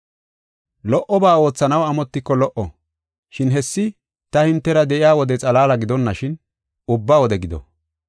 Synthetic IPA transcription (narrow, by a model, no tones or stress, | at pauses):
lɔʔɔbaːo̞ːt͡sːɐnɐwɐmɔt̪ːɪkːɔlɔʔɔ | ʃɪnɦɛsːɪ | t̪ɐhɪnt̪ːɛɾɐd̪ɛʔɪjaːwɔd̪ɛt͡sʼɐlaːlɐɡɪd̪ɔnːɐʃɪn | ʊbːaːwɔd̪ɛɡɪd̪ɔ̰